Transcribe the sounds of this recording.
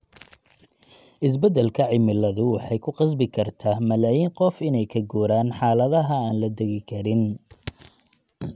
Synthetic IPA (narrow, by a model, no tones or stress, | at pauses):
ʔɪs̬bɐd̪ɛlkʰɐʕɪmɪlɐðʊwɑħɑjkʰʊqɑs̬bɪkʰɐrt̪ʰaːmɐlaːjiːŋqɔfɪnɛjkʰɐɡuːɾaːnħɑːlɐðɐɦɐaːnlɐd̪ɛɣɪkʰɐɾɪn